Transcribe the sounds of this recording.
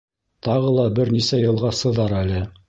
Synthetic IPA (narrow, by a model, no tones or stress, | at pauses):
t̪ɑʁɤlˠɑbɘɾnisæjɤ̆lˠʁɑsɤ̆ðɑɾælɘ